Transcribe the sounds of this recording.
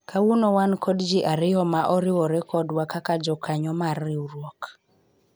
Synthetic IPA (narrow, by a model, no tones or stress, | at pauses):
kʰawunɔwankɔdd͡ʒiʔaɾɪjɔmaʔɔɾɪwɔɾɛkɔdwakakad͡ʒɔkʰaɲɔmarːɪuɾwɔk